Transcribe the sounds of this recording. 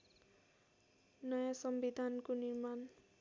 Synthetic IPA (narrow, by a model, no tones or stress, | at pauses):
nʌjãsʌmbid̪ʱankonirman